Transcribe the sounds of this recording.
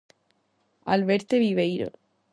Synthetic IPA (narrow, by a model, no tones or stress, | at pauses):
a̰lβeɾt̪eβiβejɾo̰